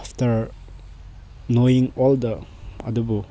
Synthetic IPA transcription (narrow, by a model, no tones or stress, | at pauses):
ftəɾ | noiŋɔldəɐ̰dubu